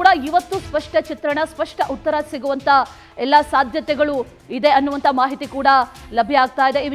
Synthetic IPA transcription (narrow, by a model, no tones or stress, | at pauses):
uɽɐiʋɐt̪ːuspɐʂʈɐt͡ʃit̪ɾɐɳɐspɐʂʈɐʔut̪ːɐɾɐsiɡuʋɐnt̪ʰɐ | ɛlːɐsaːd̪ʱjɐt̪ɛɡɐɭu | id̪e̞ɐnːuʋɐnt̪ʰɐmaːɦit̪ikuːɽɐlɐbʱjɐaːɡ̚t̪aːjid̪ei